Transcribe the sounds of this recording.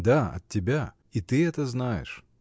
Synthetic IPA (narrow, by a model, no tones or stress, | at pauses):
d̪aɐ̰tʲːɪbʲa | it̪ɨɛt̪əznajɪ̰ʂ